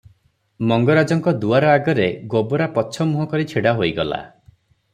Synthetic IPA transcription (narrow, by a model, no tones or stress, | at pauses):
mɔŋɡɔɾad͡ʒɔŋkɔd̪uaɾɔaɡɔɾeɡobɔɾapɔt͡ʃʰɔmuɦɔkɔɾit͡ʃʰiɽaɦojiɡɔla̰